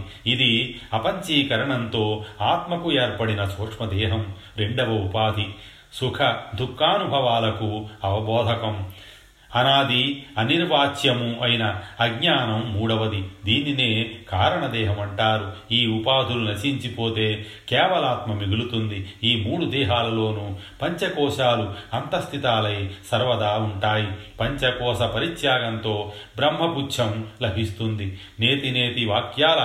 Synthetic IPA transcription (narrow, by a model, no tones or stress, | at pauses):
id̪iɐpɐɲt͡ʃiːkɐɾɐɳɐnt̪o̞ːaːt̪mɐkueːɾpɐɽinɐsoːkʂmɐd̪ɛːɦɐm | ɾe̞ɳɖɐʋɐupaːd̪ʱi | sukʰɐd̪ʱukːaːnubʱɐʋaːlɐkuɐʋɐbɔːd̪ʱɐkɐm | ɐnaːd̪iɐniɾʋaːt͡ʃjɐmuʔɐjinɐːɡɲaːnɐmːuːɽɐʋɐd̪id̪iːnine̞ːkaːɾɐɳɐd̪ɛːɦɐmɐɳʈaːɾuiːupaːd̪ʱulunɐt͡ʃiɲt͡ʃipo̞ːt̪e̞ː | kɛːʋɐlaːt̪mɐmiɡulut̪und̪iiːmuːɽud̪ɛːɦaːlɐlo̞ːnupɐɲt͡ʃɐkɔːʃaːluɐnt̪ɐst̪ʰit̪aːlɐjsɐɾʋɐd̪aːuɳʈaːjipɐɲt͡ʃɐkɔːʃɐpɐɾit͡ʃ̪jaːɡɐnt̪o̞ːbɾɐmɦɐput͡ʃʰɐmlɐbʱist̪und̪i | ne̞ːt̪ine̞ːt̪iʋaːkjaːlɐ